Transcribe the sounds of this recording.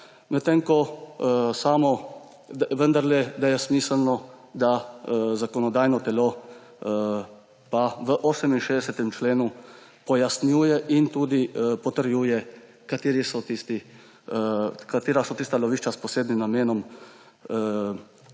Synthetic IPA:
mɛt̪eŋkɔ | saːmɔ | ʋənd̪aɾlɛd̪ajɛsmiːsəlnɔd̪azakɔnɔd̪aːjnɔt̪ɛlo | paʋəʔoːsɛminʃeːd̪ɛsɛt̪ɛmt͡ʃleːnu | pɔjasnjuːjɛʔint̪uːd̪ipɔt̪əɾjuːjɛ | kat̪eːɾisɔt̪ist̪i | kat̪eːɾasɔt̪iːst̪alɔʋiːʃt͡ʃaspɔseːd̪nimnameːnɔm

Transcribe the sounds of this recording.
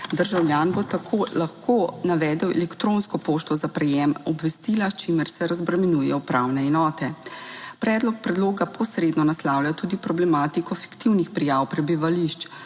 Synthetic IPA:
d̪əɾʒawljaːnbot̪akʰoːlaxkʰoːnaʋɛːd̪ɛwɛ̰lɛkt̪ɾonskɔpoːʃt̪ɔzapɾɛjɛmɔbʋɛst̪ilat͡ʃimɛɾsɛɾazbɾɛmɛnuːjɛpɾawnɛɛnɔːt̪ɛpɾɛːd̪lɔk̚pɾɛd̪loːɡapʰɔsɾed̪nɔnaslawljat̪uːd̪ipɾɔblɛmaːt̪ikɔfi̥kt̪iwnixpɾijawpɾɛbiʋaliʃt͡ʃ

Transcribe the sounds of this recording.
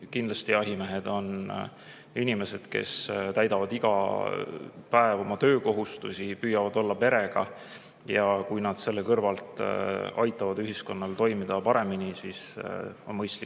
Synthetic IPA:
kind̪lɑst̪iɑɦimeɦed̪̥o̞n | inime̞se̞d̪̥ke̞̰st̪æjd̪ɑvɑd̪̥iɡ̥ɑ̰ | pæevomɑt̪ø̞ːko̞ɦust̪usipyːjɑvɑd̪o̞lːɑpe̞ɾe̞ɡ̥ɑ̰ | jɑkujnɑd̪̥se̞lːekɤrvɑlt̪ˑɑ̰jt̪ːˑɑvɑd̪yɦisko̞nːɑlt̪o̞jmid̪̥ɑpɑɾe̞minisiso̞̰nmɤjst̪likː

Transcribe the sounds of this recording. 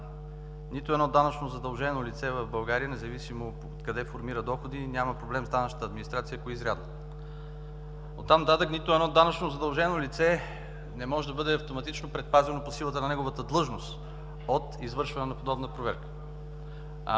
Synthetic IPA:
nit̪ʊɛd̪nɔd̪anɐt͡ʃnozɐd̪ɐlˠʒɛnolit̪sɛvɐvbɐlˠɡaɾiənɛzɐvisimo | t̪kɐd̪ɛfoɾmiɾəd̪ɔxod̪inʲjaməpɾoblɛmzd̪anəʃnət̪əːd̪minist̪ɾat̪sijəkoizɾʲa̰d̪nə | o̰t̪ːamnɐt̪at̪əknit̪ʊɛd̪nɔd̪anɐt͡ʃnozɐd̪ɐlˠʒɛnolit̪sɛ | nɛmɔʒɛd̪ɐbɤd̪ɛɐft̪omɐt̪it͡ʃnopɾɛt̪̚pazʲɛnoposilˠət̪ənɐnɛɡovət̪əd̪lˠɤʒnost̪ | ot̪izvɤɾʃvɐnɛnɐpod̪ɔbnəpɾovɛɾkə̥

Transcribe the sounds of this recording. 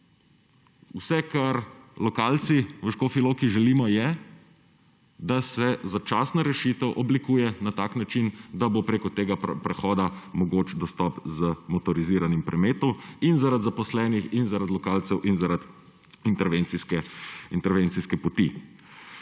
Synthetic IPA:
usɛkaɾlɔkaːlt̪siʋəʃkoːfiloːkiʒɛliːmɔjɛ | d̪asɛzat͡ʃaːsnaɾɛʃit̪ɛwʔɔblikuːjɛnat̪aːknat͡ʃind̪abopɾekɔt̪eːɡapɾɛxɔːd̪amɔɡoːt͡ʃd̪ɔst̪ɔpzəmɔt̪ɔɾiziɾanimpɾɛmeːt̪ɔminzaɾad̪zapɔslɛːnixinzaɾad̪lɔkalt̪sɛwʔinzaɾad̪ | int̪ɛɾʋent̪siskɛint̪ɛɾʋeːnt̪siskɛpɔt̪i

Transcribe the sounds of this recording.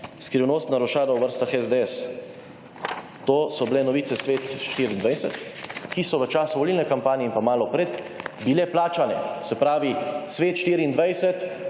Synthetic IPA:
skɾiwnoːst̪naɾɔʃaːlawʋəɾst̪axɛzd̪eɛs | t̪oːsɔblɛnɔʋiːt̪sɛsʋeːt̪ʃt̪iːɾiːnd̪ʋɛjsɛ̰t̪kisɔʋət͡ʃaːsuʋɔlilnɛkampaːniɛimpamaːlɔpɾet̪ | bilɛplaːt͡ʃanɛ̰sɛpɾaːʋisʋeːt̪ʃt̪iːɾiːnd̪ʋajsɛt̪

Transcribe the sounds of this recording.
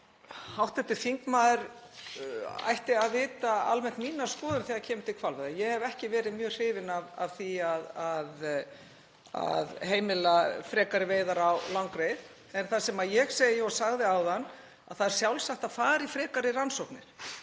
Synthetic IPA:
hawht̪ɛht̪ɪfiŋkmaːðɪɾ | a̰jht̪ɪaðɪːt̪aa̰lmɛn̥t̪miːnaskɔːðʏnθiːacʰɛːmɪt̪ʰːɪkʰvalvɛðajɛɣhɛvɛhcɪvɛːɾɪðmjœːɣr̥ɪːvɪnava̰v̥θiaðað | a̰ðheːjmɪlafɾɛːkaɾɪveːjðaɾawlawŋkɾejð | ɛnθasɛmajɛɣseːjɪɔsaɣðɪawðanː | a̰ðθaðɛɾ̥sjawlsaht̪aðfaːɾifɾɛːkaɾɪransɔwknɪɾ̥

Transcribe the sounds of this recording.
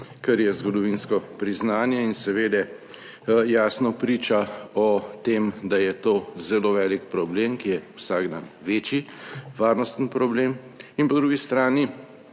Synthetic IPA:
kɛɾjɛzɡɔd̪ɔʋinskɔpɾiznaːnjɛinsɛʋeːd̪ɛ | jaːsnɔpɾiːt͡ʃaɔt̪eːmd̪ajɛt̪oːzɛloːʋɛːlikpɾɔblemkijɛwsaːɡd̪a̰nʋeːt͡ʃiʋaːɾnɔst̪ən̩pɾɔblem | inpɔd̪ɾuːɡist̪ɾaːni

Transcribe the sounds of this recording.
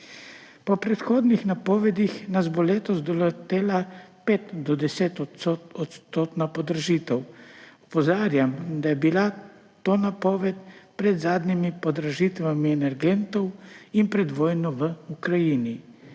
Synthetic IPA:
pɔpɾɛt̪xoːd̪nixnapɔːʋɛd̪ixnazbɔleːt̪ɔzd̪ɔlot̪eːlapeːt̪d̪ɔd̪ɛseːt̪ɔoɔt̪st̪oːt̪napɔd̪ɾaʒiːt̪ɛwɔpɔzaːɾjamd̪ajɛbila | t̪oːnapɔːʋɛt̪pɾɛd̪zaːd̪nimipɔd̪ɾaʒit̪ʋamiɛnɛɾɡɛnt̪ɔwinpɾɛd̪ʋɔːjnɔʋəukɾajiːni

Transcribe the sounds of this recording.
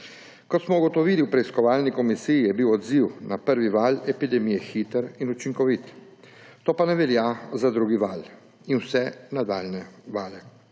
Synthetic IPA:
kɔt̪smɔuɡɔt̪ɔʋiliwpɾɛiskɔʋaːlnikɔmisijijɛbiwɔd̪ziwnapəɾʋiʋalɛpid̪ɛmijɛxit̪əɾinut͡ʃiŋkɔʋit̪ | t̪oːpanɛʋɛljazad̪ɾuːɡiʋaːl | inwsɛnad̪aːlnɛʋaːlɛ

